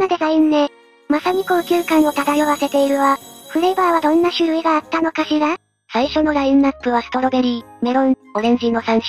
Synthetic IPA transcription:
ad̪e̞zaĩnːe | masaɲ̟iko̞kʲɨːkãɰ̃o̞t̪ad̪aio̞βase̞t̪e̞iɾɯ̟βaɸɯ̟ɾe̞baːβad̪õ̞nːaɕɨɾɯ̟iɡaːt̪ːano̞kaɕiɡa | saiɕo̞no̞ɾaĩnːapːɯ̟βasɯ̥t̪o̞ɾo̞be̞ɾʲime̞ɾõo̞ɾẽ̞ɲ̟d͡ʑino̞sãɰ̃ɕi̥

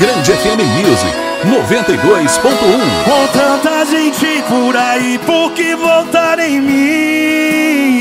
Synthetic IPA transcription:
ɡɾɐ̃nd͡ʒɪɛfẽmẽj̃mjuzḭk | novẽnt̪ɐjd̪ojspõnt̪ʊũvot̪ɐ̃t̪aʒẽj̃t͡ʃɪpʊɾaipʊɾkɪvowt̪aɾẽj̃mĩ

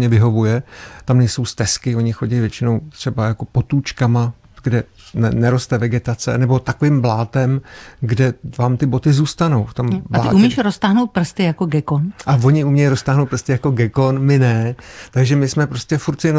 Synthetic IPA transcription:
ɲɛvɪɦo̞vujɛt̪amnɛjso̞wst̪ɛskɪo̞ɲɪxo̞ɟɛjvjɛt͡ʃɪno̞wt̪r̝̥ɛbajako̞po̞t̪uːt͡ʃkama | ɡ̥dɛ | nɛnɛɾo̞st̪ɛvɛɡɛt̪at͡sɛ̰nɛbo̞t̪akoviːmblaːt̪ɛmɡdɛvaːmt̪ɪbo̞t̪ɪzuːst̪ano̞wft̪o̞mbataɪːumiʃɾost̪aːɦnowt̪̚pr̩st̪ɪjakoɡɛkonʔavo̞ɲɪumɲɛjɾost̪aːɦnowt̪̚pr̩st̪ɪjako̞ɡɛko̞nmɪnɛt̪aɡʒɛmɪsmɛpɾo̞scɛfuɾt̪sɪɛn

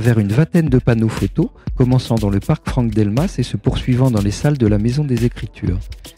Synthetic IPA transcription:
vɛʁynvɛ̃t̪ɛnd̪əpanofot̪okɔmɑ̃sɑ̃d̪ɑ̃ləpaʁkfχɑ̃k̚d̪ɛlmasesəpuʁsɥivɑ̃d̪ɑ̃lesald̪əlamezɔ̃d̪ezekχit̪ʰy̰ːʁ

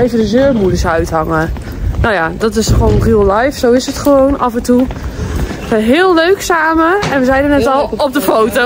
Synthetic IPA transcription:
ejvədəzøːrmudəsœɥthɑŋə | nojadɔtɪsχəʋoːnriəlˠlajfsowɪsətχəʋownʔɑfəntu | əɦɪːlˠløɥksaːməɛnʋəzɛjnənɛtɔlˠɔp̚dəfowto

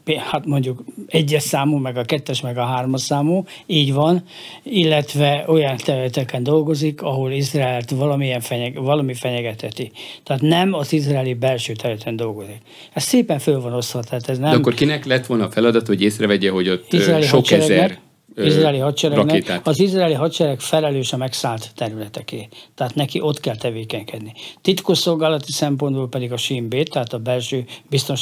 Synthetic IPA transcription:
pehat̪mo̞ɲɟukɛɟːɛʃsaːmuːmɛɡɒkɛt̪ːɛʃmɛɡɒɦaːrmɒʃaːmuː | iːɟvɒn | ilːɛt̪ʋɛo̞jɒnt̪ɛɾylɛt̪ɛkɛnd̪o̞lɡo̞zikʰɒɦo̞lisraɛlt̪ʋɒlɒmiɛɱfɛɲɛvɒlɒmifɛɲɛɡɛt̪hɛt̪it̪ɛːt̪nɛmɒzizraːlibɛlʃøːt̪ɛɾylɛt̪ɛnd̪o̞lɡo̞zik | ɛsseːpɛɱfølvɒno̞sʋɒt̪ɛɦaːt̪ɛznɛkːorkinɛklɛt̪ʋo̞lnɒːfɛlɒd̪ɒt̪ohoɟeːsrɛvɛɟɛɦo̞ɟot̪ːiraɛːliʃɦot͡ʃɛɛɾɛzɡɛr | izrraːliɦɒt̪t͡ʃɛɾɛnɛit̪aɒzizraɛːliɦɒt̪t͡ʃɛɾɛkfɛlɛløːʃɒmɛksaːlt̪ːɛɾylɛt̪ɛkeːt̪ɛɦaːt̪nɛkiʔo̞t̪kɛlt̪ɛveːkɛɲkɛd̪nit̪it̪koʃsolɡaːlɒt̪isɛmpo̞nd̪boːlpɛd̪iɡɒʃimbeːt̪ːɛɦaːt̪ɒbɛlʃøːbist̪onʃ

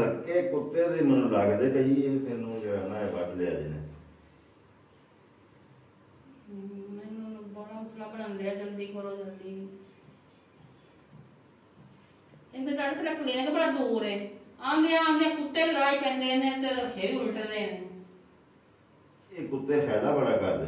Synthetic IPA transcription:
əɾkeːkʊt̪ːeːd̪eːmənũːlaːɡd̪eːkəiːɛːt̪enũːd͡ʒeɽanaːeːbaʈleːa̰ːd͡ʒḛnḛ̃ː | mɛːnũːbəɽaːməslaːbəɽ̃ãːnd̪eːaːd͡ʒəld̪iːkəɾoːd͡ʒat̪iː | eɡ̪ed̪əɽəkʰɾəkʰːliːeːk̪ebəɽaːd̪uːɾɛːãːd̪eːãːnekʊt̪ːeːləɾaːipɛ̃ːnd̪eːneət̪eɾəʃʰeːʋiːɪʈəd̪eːɛne | eːkʊt̪ːeːpʰɛːd̪aːbəɽaːkəɾd̪e

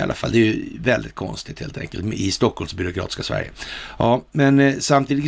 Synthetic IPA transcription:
a̰lʔafa̰lːd̪ɛːjɵvɛld̪ɪt̪̚kʰɔ̰nst̪ɪt̪heːlt̪ʰɛ̰ŋkəlt̪mɪst̪ɔkʰːhɔlmsbʏɾʊkʰɾɑːt̪ɪ̥skasvæ̰ɾjə̰ɑːmɛnsamt̪ʰiːd̪ɪ

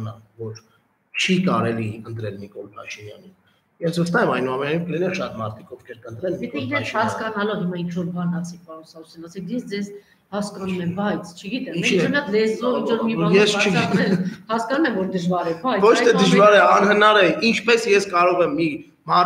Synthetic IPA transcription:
nɑ̰mvɔɾ | t͡ʃʰikɑ̰ɾɛliənt̪ɾɛlnikɔlpʰɑ̰ʃinjɑ̰nin | jɛsvəst̪ɑɛmɑjnuɑmɛnɑjnimpʰlinɛɾʃɑt̪mɑɾt̪ʰi̥kɔvkʰɛɾkənt̪ɾɛlniitk̪ɛiɾnhɑskɑnɑlɔvhimɑint͡ʃʰvɔɾbɑnɑsɛk̚pɑɾɔnsɑɾusjɑnɑsɛkzɛsd͡zɛz | hɑskɑnumɛmbɑjt͡sʰt͡ʃʰəɡit̪ɛmiɛiɔɑt̪ʰlɛzɔvint͡ʃʰvɔɾmijɛst͡ʃʰəɡit̪ɛhɑskɑnumɛmvɔɾd̪əʒvɑɾɛbajt͡svɔt͡ʃʰt̪ʰɛd̪əʒvɑɾɛɑnhənɑɾɛint͡ʃʰpɛsjɛskɑɾɔʁɛmːi | mɑ

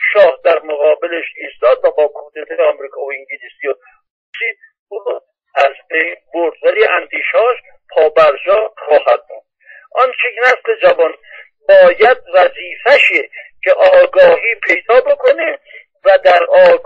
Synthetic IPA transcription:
ʃɒːhd̪æɾmoɣɒːbeleʃiːst̪ɒːd̪væbɒːkʰuːd̪et̪ʰejeɒmɾiːkʰɒːoiŋɟelisijo | osiːd̪̚ | uno | æzbejnboɾd̪væliːʔænt̪ʰiːʃɒːʃ | pʰɒːbæɾd͡ʒɒːχɒːhæd̪̚muːnd̪̥ | ʔɒnt͡ʃʰekʰenæsle̞d͡ʒævɒn | bɒːjæd̪̚væziːfæʃecʰe̞ʔɒːɡɒːɦiːpʰe̞jd̪ɒːbo̞kʰo̞ne | væd̪æɾɒː

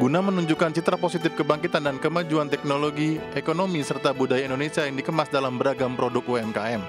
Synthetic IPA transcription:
ɡunamənuɲd͡ʒukant͡ʃit̪ɾaposit̪ɪfkəbaŋkit̪andankəmad͡ʒuant̪ɛk̚noloɡiekonomisərt̪abudajaindonesiajaŋdikəmasdalambəɾaɡampɾodʊk̚uɛmkaɛm

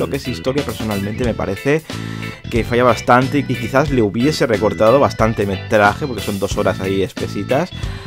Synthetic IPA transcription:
o̞ke̞sist̪o̞ɾjapeɾso̞nalmẽnt̪e̞me̞pa̰ɾe̞θe̞ | ke̞fajaβ̞ast̪ant̪e̞ikekiθazleuβjese̞re̞ko̞ɾt̪að̞o̞βast̪ant̪eme̞t̪ɾaxe̞poɾke̞so̞nd̪o̞so̞ɾasaie̞spe̞sit̪as

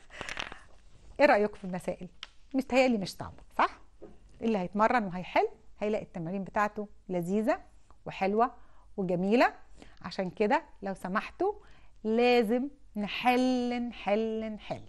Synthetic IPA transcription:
ʔeɾˤɑʔjokfilmæsæ̰ːʔelmeʃt̪hæjæliːmeʃt̪ɑ̰ʕbɑsˤɑħ | ʔelːihæjet̪mɑrˤːɑnweɦæjħelːhæjelæʔet̪ːæmɾiːmbet̪aːʕt̪olæziːzæ | weħelwæweɡæmiːlæʕa̰ʃæːnked̪ælæwsæmaħt̪olæːzemnħelːnħelːnħelː

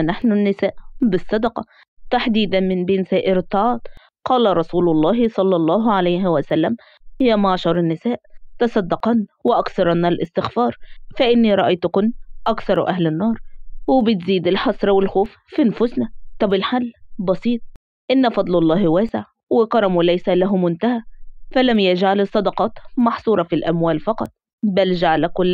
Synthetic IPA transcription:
naħnʊnːɪsæːʔbɪsˤːɑd̪ɑqɑ | t̪aħd̪iːd̪ænmɪnbeːnsæːʔɪɾɪt̪ːɑʕɑːt̪ˤ | qɑːlaɾˤɑsuːlʊlˤːɑːɦsˤɑlːɑlˤːɑːɦʕalajɦɪwæsælːæm | hɪjːæmaʕʃɑɾˤɪnːɪsæːʔt̪ɑsˤɑd̪ːɑqɑnwɪʔɑkθɑɾˤɑnælʔɪst̪ɪxfɑːɾˤfæʔɪnːiɾˤɑʔɑjt̪ʊkʊnʔɑkθɑɾˤʔæɦlɪnːɑːɾˤwɪbɪt̪ziːd̪ɪlħɑsˤɾɑwɪlxoːfːinfʊsnæt̪ˤɑbɪlħalːbɑsiːt̪̚ˤ | ʔɪnːafɑd̪ˤlɑlˤːɑːhwæːsɪʕ | wɪqɑɾˤɑmulæjsælæɦʊmʊnt̪ahæfælæmjad͡ʒʕalɪsˤːɑd̪ɑqɑːt̪mɑħsˤuːɾˤɑfilʔæmwæːlfɑqɑt̪ˤ | bæld͡ʒaʕalakʊlː

